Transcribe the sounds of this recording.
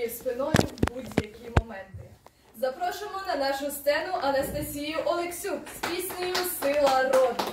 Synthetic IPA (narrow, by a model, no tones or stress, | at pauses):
ispɪnɔjʊbudʲjɐkʲimɔmɛnt̪ɪ | zɐpɾɔʃʊmɔnɐnaʃʊst̪sɛnʊʔɐnɐst̪ɐsʲijʊʔɔlˠeksʲuksʲpʲisʲnʲɪjʊsɪlˠɐɾɔd̪ɪ